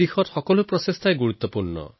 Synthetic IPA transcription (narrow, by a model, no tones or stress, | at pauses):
ixʰɔɾxɔkɔlupɾɔsest̪ʰajeɡuɾut̪ːɔpuɾɳɔ̰